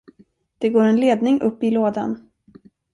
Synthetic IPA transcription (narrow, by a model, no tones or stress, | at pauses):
d̪̥ɛɡoːɾɛnleːd̪nɪŋʔɵpːɪloːd̪a̰n